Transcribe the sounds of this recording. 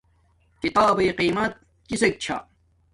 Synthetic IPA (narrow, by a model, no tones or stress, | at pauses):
kit̪aːbejqiːmɐt̪̚ | kisek̚t͡ɕʰa̰